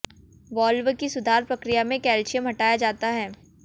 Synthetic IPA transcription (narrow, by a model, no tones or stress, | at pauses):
ʋɔːlʋəkisʊd̪ʱaːɾpɾɐkɾijamẽkɛːlt͡ʃijə̃mɦɐʈaːjad͡ʒaːt̪aɦɛː